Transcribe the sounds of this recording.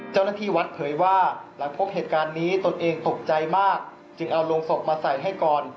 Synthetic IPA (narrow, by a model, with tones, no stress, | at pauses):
t͡ɕa˥˩wnaː˥˩t̪ʰiː˥˩wa˦˥t̪̚pʰɤː˩˦jwaː˥˩la˩˦ŋpʰo˦˥p̚ɦeː˨˩t̪̚kaː˧nːiː˦˥t̪o˧nʔeː˧ŋt̪o˨˩p̚t͡ɕa˧jmaː˥˩k̚ | t͡ɕɯ˧ŋʔa˧wloː˧ŋso˨˩p̚maː˧sa˨˩jɦa˥˩jkɔː˨˩n